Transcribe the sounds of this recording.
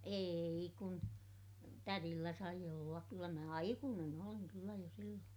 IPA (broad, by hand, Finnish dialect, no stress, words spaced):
eːi kun tærilːæ sɑi olːɑk kylːæ mæ ɑikuːnen oliŋ kylːæ jo silːoːn